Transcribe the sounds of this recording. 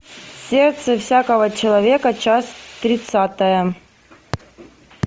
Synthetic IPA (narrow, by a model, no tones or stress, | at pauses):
sʲert̪səfsʲakəvət͡ɕɪlˠɐvʲekət͡ɕasʲt̪ɾʲɪt̪sat̪əjə